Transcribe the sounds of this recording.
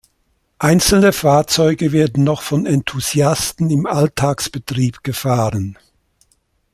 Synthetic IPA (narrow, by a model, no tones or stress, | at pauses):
ʔaɪnt͡sl̩nəfaːɐt͡sɔʏɡəveːɐdn̩nɔχfɔnɛntʰuz̥jastn̩ɪmaltʰaːksb̥ətʁ̥iːpɡ̥əfaːʁən